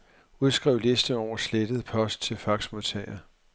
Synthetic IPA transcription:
uð̞ˠsɡ̥ʁɛʊ̰le̝sd̥əɒʊ̰ɐsled̥əð̞̩ˠpʰɒ̽sd̥̚t͡sʰe̝lfɑ̈ɡ̥smo̝ðˠt͡sʰɛ̰ɪɐ

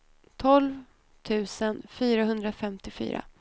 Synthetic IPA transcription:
t̪ʰɔlv | t̪ʰʉ̟ːsənfyːɾaɦɵnd̪ɾafɛmt̪ɪfy̰ːɾa̰

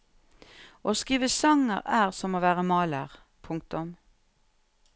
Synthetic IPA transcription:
oːskiːʋəsɑŋə̰ʁæːʁsɔmoːʋæːʁəmɑːləʁ | pʰʊŋk̚t̪ʊm

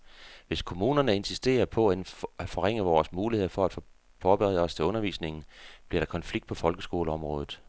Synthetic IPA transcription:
ʋe̝skʰo̝muːnɐnəe̝nsisd̥e̝̰ːɐpʰɒ̽æenæ̥fɒ̽ʁeŋ̰əʋɒːsmuːlihe̝ð̞̰ˠfɒ̽æd̥f | fɒːb̥eʁɛð̰ˠɒ̽st͡sʰe̝ɔ̽nɐʋḭːsne̝ŋn̩b̥liɐɾ̥ɑ̈kʰɒ̽nfliɡ̥d̥̚pʰɒ̽fɒ̽lɡ̥əsɡ̥o̝ːləɒ̽mʁɔ̽ːðˠð̩ˠ

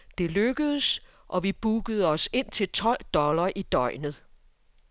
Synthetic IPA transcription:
d̥e̝løɡ̥əðˠəs | ʔɒ̽ʋib̥uɡ̥əð̞̩ˠəɒ̽se̝n̰t͡sʰe̝lt͡sʰɒ̽l̰d̥ɒ̽lɐʔid̥ɒ̽ɪ̰nð̩ˠ

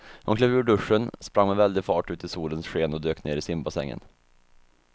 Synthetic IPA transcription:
hʊnkʰlɛːvʉːɖɵʂːənspɾaŋmɛvɛld̪ɪfɑːʈʉ̟ːt̪ɪsuːlənsɧeːnɔd̪øːkneːɾɪsɪmbasɛ̰ŋːə̰n

